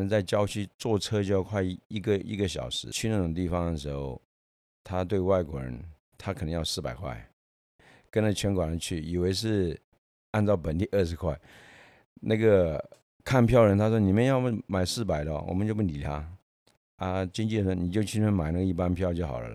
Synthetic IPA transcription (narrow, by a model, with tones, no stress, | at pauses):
ə˧˥ŋt͡sa˥˩ɪt͡ɕjɑ˥ʊt͡ɕʰy˥t͡swɔ˥˩ʈ͡ʂʰɤ˥t͡ɕjo˥˧jkʰwa˥˧ɪ˧˥i˥˩ɡə˧ḭ˥ɡə˧ɕjɑ̰˨˩ʊʂɻ̩˧˥t͡ɕʰy˥˧na˥˩ʈ͡ʂʊ˨˩ŋt̪̬i˥˩fɑ˨˩ŋd̪ə˨ʂɻ̩˧˥xo˥˧ʊ | t̪ʰa˥t̪we˥˧ɪwa˥˩ɪkwɔ̰˧˥ɻə̰˧˥n | t̪ʰa˥kʰnə˧˥ŋjɑ˥˧ʊsɹ̩˥˩pa̰˨˩ɪkʰwa̰˥˩ɪ | kə˥nə˧˩t͡ɕʰɥɛ˧˥nkwa˨˩nə˧˦t͡ɕʰy˥˩i˨˩we˧˥ɪʂ̬ɻ̩˥˧ | a˥˧nt͡sɑ˥˩ʊpə˨˩nt̪i˥˧ʔə˥˩ʂɻ̩˧˥kʰwa˥˩ɪ | na˥˩ɡə˩ | kʰa˥˧npʰjɑ˥˩ʊɻə˧˥nt̪ʰa˥ʂwɔ˥ni˨˩mjnjɑ˥˩ʊma˨˩ɪsɹ̩˥˩pa˨˩ɪlə˧wɔ̰˨˩mə˦t͡ɕjo˥˧ʊpu˥˩ni˨˩t̪ʰa̰˥ | a˧t͡ɕi˥ŋt͡ɕi˥˩d̪ə˨ʂɔ˥˩ni˨˩t͡ɕjo˥˧ʊt͡ɕʰi˥ə˥nma˨˩ɪna˥˩ɡə˧i˥˩pa˥npʰjʊt͡ɕjo˥˩ʊxɑ̰˨˩ʊlə̰˦lə̰˦